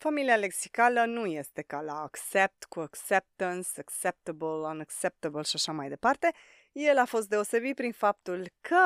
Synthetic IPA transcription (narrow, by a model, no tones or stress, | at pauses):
familiale̞ksi̥kalənuje̞st̪e̞kalaːkse̞p̚t̪kuaksep̚t̪ənsaksep̚t̪əbələnakse̞p̚t̪əbəlʃaʃamajd̪e̞part̪e̞ | je̞lafo̞st̪̚d̪e̞o̞se̞bit̪̚pɾinfap̚t̪ulkʰə